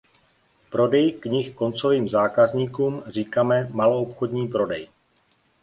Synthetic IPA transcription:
pɾo̞dɛjkɲɪxko̞nt͡so̞viːmzaːkazɲiːkuːmr̝iːkaːmɛmaloopxo̞dɲiːpɾo̞dɛj

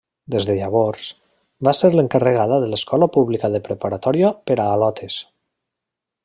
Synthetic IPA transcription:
d̪ezðeʎaβ̞oɾs | baseɾləŋkərəɣ̞aðəðələskʰɔlapuβlikaðəpɾəpaɾat̪ɔɾjopəɾaːlɔt̪ʰes

